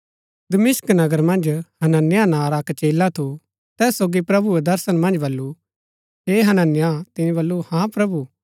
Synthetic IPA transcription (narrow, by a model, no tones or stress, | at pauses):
d̪ɐmɪsknɐɡəɾmɐ̃nd͡ʒhɐnənːjanãːɾakt͡ʃeːlːat̪ʰu | t̪ɛːsoːɡipɾɐbued̪ɐɾsənmɐ̃nd͡ʒbɐlːu | ɦeɦɐnənːɪjat̪ɪnĩbɐlːuhãpɾɐbuː